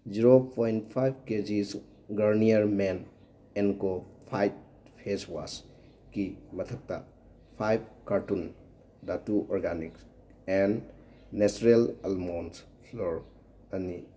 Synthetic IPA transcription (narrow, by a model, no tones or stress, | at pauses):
d͡ʒiɾopojntpʰajb̚ked͡ʒis | ɡɐɾnijɐɾmen | enkopʰajt̚ | pʰeswa̰s | kimɐtʰɐk̚ta | pʰajb̚kaɾtun | datuʔɔɾɡaniks | ɛnː | esɾelalmons | pʰloɾ | ɐni